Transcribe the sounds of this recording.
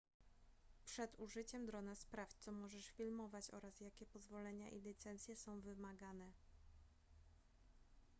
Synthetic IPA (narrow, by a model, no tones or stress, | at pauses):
pʂɛd̪uʐɘt͡ɕɛmd̪ɾɔnaspɾaft͡ɕt̪sɔmɔʐɛʂfʲilmɔvat͡ɕɔ̰ɾasjakʲɛpɔzvɔlɛɲa̰ʔḭlʲit̪sɛnt̪sʲjɛsɔ̃w̃vɘmaɡanɛ